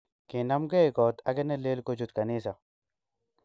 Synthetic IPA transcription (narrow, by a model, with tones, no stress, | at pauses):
kɪ˨na˦mɡɛ˦jkɔ˨t̪aɡɛ˦nɛ˦leː˦lko˦d͡ʒu˦t̪ka˨niː˦sa˨